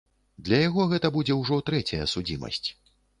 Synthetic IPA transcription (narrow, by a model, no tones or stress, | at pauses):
d̪lʲɐjaɣɔɣɛt̪ɐbud͡zʲɛwʐɔt̪ɾɛt͡sʲɐjɐsud͡zʲimɐ̰sʲt͡sʲ